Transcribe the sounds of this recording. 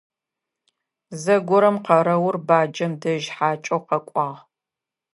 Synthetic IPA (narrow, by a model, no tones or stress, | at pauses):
zɐɡʷʊɾɐmqɐɾɐwʊrbaːd͡ʒɐmdɐʒħaːt͡ʃʼɐwqɐkʷʼɑːʁ